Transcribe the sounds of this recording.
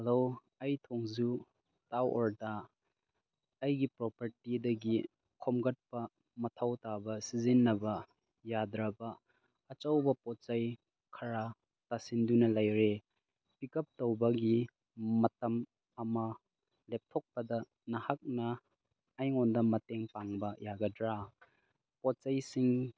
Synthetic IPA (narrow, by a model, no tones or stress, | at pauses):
hɐlow | ɐjtʰoŋzu | tawɔɾdɐ | jɡipɾɔpɐɾtidɐɡi | kʰomɡɐt̚pɐ | mɐtʰɐwtabɐsizinːɐbɐ | jadɾɐbɐː | t͡ʃawbɐpɔt͡ʃaj | kʰɐɾa | tasindunɐlɐjɾe | pikɐp̚towbɐɡi | mɐtɐm | ɐmɐ | lep̚tʰok̚pɐdɐ | nɐhak̚nɐː | jŋondɐmɐteŋpaŋbɐjaɡɐdɾa | pɔt̚t͡ʃajsiŋ